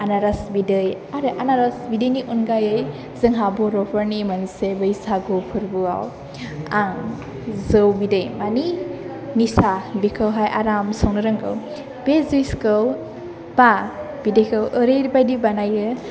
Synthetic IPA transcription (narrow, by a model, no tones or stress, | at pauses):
anaɾasbidɯj | aɾɯʔanaɾasbidɯjniʔunɡajɯj | zɯŋɦabɔɾɔpʰaɾnimansebɯjsaɡɔpʰɯɾbɯa̰w | aŋ | zɯwbidɯjmani | nisabikʰəwɦajʔaɾamsownɯɾɯŋɡɯ̰w | b̥ezujskɯw | b̥a | b̥idəjkʰɯwʔɯɾeɾibajdibanajɯ